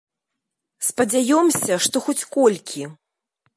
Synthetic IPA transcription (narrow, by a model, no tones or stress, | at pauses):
spɐd͡zʲajɔmsʲɐʂt̪ɔxɔt͡sʲkɔlʲkʲʰi